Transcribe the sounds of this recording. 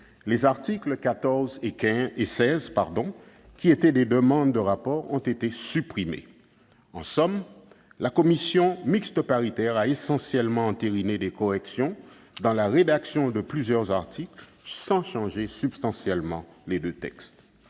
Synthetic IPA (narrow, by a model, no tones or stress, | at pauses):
lezaʁt̪iklkat̪ɔʁzekɛ̃esɛzpaʁd̪ɔ̃ | kʲiet̪ɛd̪ed̪əmɑ̃d̪ːəʁapɔʁɔ̃t̪et̪esypχimḛ | ɑ̰̃sɔm | lakɔmisjɔ̃mikst̪əpaʁit̪ɛʁaesɑ̃sjɛlmɑ̃ɑ̃t̪eʁined̪ekɔʁɛksjɔ̃ | d̪ɑ̃laʁed̪aksjɔ̃d̪əplyzjœʁzaʁt̪ʰikl | sɑ̃ʃɑ̃ʒesybst̪ɑ̃sjɛlmɑ̰̃led̪øt̪ɛ̰kst̪